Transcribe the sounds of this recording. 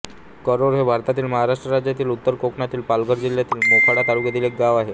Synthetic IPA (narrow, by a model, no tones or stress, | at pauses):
kəɾoɾɦebʱaɾt̪at̪iːlməɦaɾaʂʈɾəɾad͡ʑjat̪iːlut̪ːəɾkokɳat̪iːlpalɡʱəɾd͡ʑiljat̪iːlmokʰaɽat̪aɽuːɡed̪iːlek̚ɡaʋaɦe